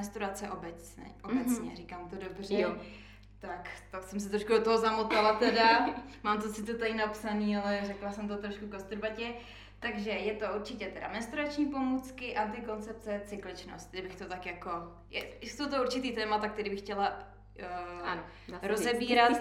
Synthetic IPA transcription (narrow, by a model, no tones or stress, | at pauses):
ɛnst̪uɾat͡sɛʔobɛt͡sɛ̰ʔobɛt͡sɲɛ̰ɾikaːmt̪odobr̝ɛ | t̪akt̪aksɛms̬ɛt̪ɾoʃkudot̪oɦozamot̪alat̪ɛdamaːmt̪̬osɪt̪ot̪ajnapsaniːalɛrɛklasɛmt̪ot̪ɾoʃkukost̪uɾbacɛ | t̪aɡʒɛjɛt̪o̞uɾt͡ʃɪcɛt̪ɛda̰mɛnst̪uɾat͡ʃɲiːpo̞muːt͡skɪʔant̪̬ɪko̞nt͡sɛp̚t͡sɛt͡sɪklɪt͡ʃno̰st̪̚dɪbɪxt̪o̞t̪akjako̞ | jɛsowt̪̬ouɾt͡ʃɪt̪iːt̪ɛːmat̪ak̚t̪ɛɾiːbɪxcɛla | ɾozzɛbiːɾat̪